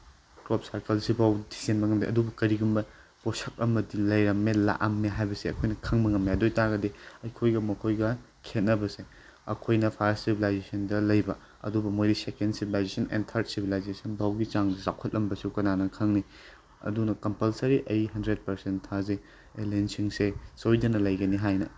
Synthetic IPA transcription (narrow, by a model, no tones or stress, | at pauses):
kɾop̚saɾkɐlsibawdisenbɐŋɐmdiʔɐ̰dubɐkɐɾiɡumbɐ | posɐk̚ɐmɐdilɐjɾɐmːela̰ʔɐmːeɦajbɐseɐ̰kʰojnɐkʰɐŋmɐŋɐmjadojtaɡɐdiɐjkʰojɡɐmɐkʰojɡɐ | kʰet̚nɐbɐse | ɐ̰kʰojnɐpʰɐɾssibʱilajzesɐndɐlɐjbɐ | ɐ̰dubɐmojɾisekendsibʱilajzesɐnḛntʰɐɾt̚sibʱilajzesɐnbawɡit͡ʃaŋdɐzawkʰɐt̚lʔɐmbɐsukɐnanɐkʰɐŋni | ɐ̰dunɐkɐmpɐlsɐɾiʔɐjɦɐndɾed̚pɐɾsenttʰːaze | elensiŋsesojdɐnɐlɐjɡɐniɦajnɐ